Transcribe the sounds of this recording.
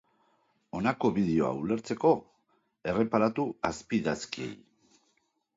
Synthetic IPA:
o̞nako̞βiðeo̞a̰ule̞ɾt͡se̞ko̞ | e̞re̞paɾat̪uaspiðaskie̞̰j

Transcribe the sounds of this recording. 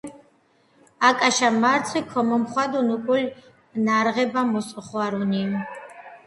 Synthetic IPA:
akʼaʃamartʰikʷʰɔməmχʷad̪unukʼʊlʲ | naɾʁɛbamusʼəχʷaɾuni

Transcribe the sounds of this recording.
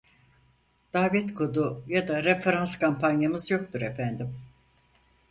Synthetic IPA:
d̪̥aːvɛt̪kʰod̪ujad̪aɾefeɾanskampʰanjamɯzjo̞k̚t̪ʰuɾefænd̪im

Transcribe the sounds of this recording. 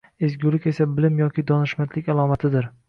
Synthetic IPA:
ezɡʲʊlɪkʲe̞sabɪlɪmjɒkʲʰɪd̪ɒnɪʃmat̪ʰlɪkʲalˠɒmat̪ʰɪd̪ɪɾ

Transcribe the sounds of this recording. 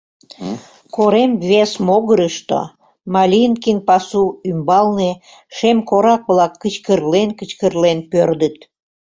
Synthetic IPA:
koɾemβesmoɣəɾəʃt̪o̰ | mɑlʲinkinpɑsuymbɑlne | ʃemkoɾɑk̚βlɑkːət͡ɕkərlenkət͡ɕkərlenpørd̪ət̪

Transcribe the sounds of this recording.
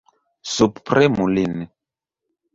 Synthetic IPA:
supprɛmulinɛ

